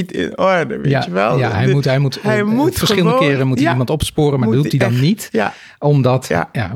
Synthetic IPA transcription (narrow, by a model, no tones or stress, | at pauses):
tɪ̰nɔɹdə̰ʋḛjaɛlˠjaɦɛjmutɦɛjmutjufərsχɪlˠdəkɪːrənmutiimɑntɔpspʊːɾənmaɹdɦutdidɑnːit | ɔmdɑtːja̰